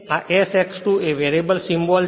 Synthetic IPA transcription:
aʔesɛksʈueʋeɾibəlsĩmbɔl

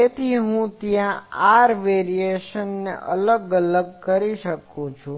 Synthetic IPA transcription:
et̪ʰiɦũt̪jãaɾʋeɾieʃənːeʔə̰ləɡələɡ̚kəɾiʃəkũt͡ʃʰũ

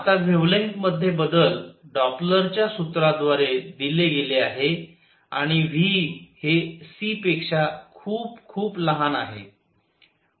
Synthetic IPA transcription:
at̪aɡʱeʋleŋkməd̪ʱːjebəd̪əlɖɔpləɾt͡ɕjasut̪ɾad̪ʋaɾed̪ileɡeleaɦe | a̰ɽ̃iʋ̤iːhesipekʂakʰuːpkʰuːpləɦanaɦḛ

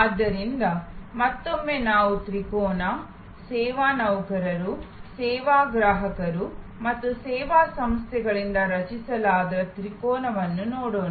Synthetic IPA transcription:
ad̪ːɐɾind̪ɐmɐt̪ːomːenaːʋut̪ɾikɔːnɐ | sɛːʋaːnɐwkɐɾɐɾusɛːʋaːɡɾaːɦɐkɐɾu | mɐt̪ːusɛːʋaːsɐmst̪ʰjɛɡɐɭind̪ɐɾɐt͡ʃisɐlaːd̪ɐɾɐt̪ɾikɔːnɐʋɐnːunɔːɽoːn

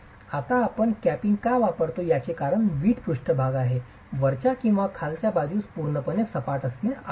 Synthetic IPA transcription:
at̪aːpəɳkæpiŋɡkaʋapəɾt̪ojat͡sekaɾəɳʋiːʈpuʂʈəbʱaɡaɦe | ʋəɾt͡ɕakĩw̃ʋakʰalt͡ɕjabad͡ʑuspuɾɳəpənesəpaʈəsne

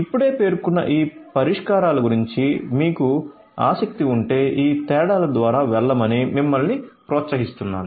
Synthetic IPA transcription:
ipːuɽe̞ːpe̞ːɾkunːɐ̰ʔiːpɐɾiʂkaːɾaːluɡuɾiɲt͡ʃimiːku | a̰ːsɐk̚t̪iuɳʈe̞ːʔiːt̪ɛːɽaːlɐd̪ʋaːɾaːʋɛɭːɐmɐnimimːɐlnipɾɔːt̪sɐɦist̪unːa̰ːnu

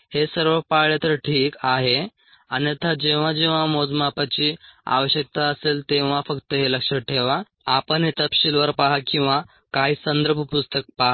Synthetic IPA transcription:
hesəɾʋəpaɭjat̪əɾʈʰiːkaɦe | añit̪ʰad͡ʑeʋ̤ad͡ʑeʋ̤amod͡zmapat͡ɕiːa̰ʋəɕjək̚t̪aəselt̪eʋ̤afəkt̪əɦeləkʂəʈʰeʋa | apəɳɦet̪əpɕilʋəɾpaɦakĩw̃ʋa | kaɦiːsənd̪əɾbʱəpust̪ək̚paɦ

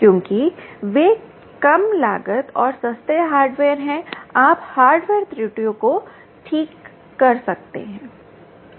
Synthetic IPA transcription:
kjõːkiʋeː | kɐmla̰ːɡət̪ɔːɾsɐst̪eɦaːɾɖʋeːɾɦɛ̃aːphaːɾɖʋeːɾt̪ɾiːʈijoko | ʈʰiːkː | ɐɾsɐk̚t̪ḛɦɛ̃ː

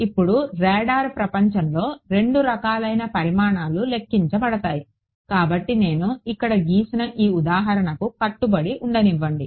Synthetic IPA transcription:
ipːuɽuɾɛːɖaːɾpɾɐpɐɲt͡ʃɐmlo̞ːɾe̞ɳɖuɾɐkaːlɐjnɐpɐɾimaːɳaːlule̞kːiɲt͡ʃɐbɐɽɐt̪aːji | kaːbɐʈːine̞ːnuikːɐɽɐɡiːsɐnɐʔiːud̪aːɦɐɾɐɳɐkukɐʈːubɐɽiʔuɳɖɐniʋːɐɳɖi

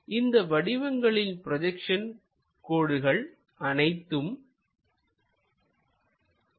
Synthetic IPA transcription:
ʔɪnd̪ɐʋɐɽɪʋɐŋɡɐɭɪlpɪɾɔðɐkʂɐn | koːɽɯɣɐɭ | ʔɐnɐɪt̪ːɯm

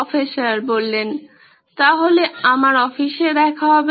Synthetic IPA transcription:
feʃaɾbolːen | t̪aɦoleamaɾɔfiʃed̪ɛkʰaɦɔb

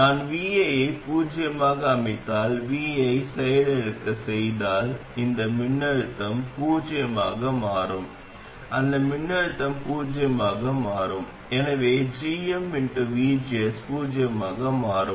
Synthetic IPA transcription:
naːnʋiːɐjɐɪpuːd͡ʒɪjɐmaːɣɐːmɐɪt̪ːaːlʋiːɐɪsɛjɐlɛɾɯkːɐsɛjðaːlɪnd̪ɐmɪnːɐɻɯt̪ːɐmpuːd͡ʒɪjɐmaːɣɐmaːɾɯm | ʔɐnd̪ɐmɪɳːɐɻɯt̪ːɐmpuːd͡ʒɪjɐmaːɣɐmaːɾɯm | ɛnɐʋeːd͡ʒiːɐmːɪɳʈɯʋiːd͡ʒɪɛspuːd͡ʒɪjɐmaːɣɐmaːɾɯm

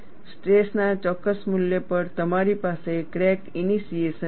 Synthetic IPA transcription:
sʈɾesnat͡ʃɔkːəsmuljəpəɾt̪əmaɾipasekɾɛkinisijeʃə

